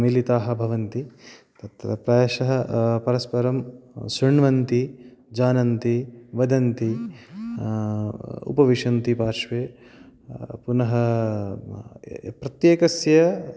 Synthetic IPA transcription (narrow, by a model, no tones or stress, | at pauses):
milit̪aːɦɐ̆bʱɐʋɐnt̪i | t̪ɐt̪ɾɐpɾɐːjɐʃɐɦɐpɐɾɐspɐɾɐmsɾiɳʋɐnt̪id͡ʒaːnɐnt̪iʋɐd̪ɐnt̪i | ṵpɐʋiʂɐnt̪ipaːɾʂʋeː | punɐɦɐ | pɾɐt̪jeːkɐsjɐ